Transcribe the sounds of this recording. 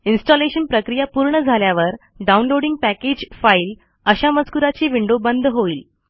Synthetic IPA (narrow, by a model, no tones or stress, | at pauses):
insʈɔleɕənpɾəkɾijapuɾɳəd͡zʱaljaʋəɾ | ɖaunloɽiŋɡ̚pæked͡ʑfail | əɕaməd͡zkuɾat͡ɕiːʋiɳɖobənd̪ʱɦoiːl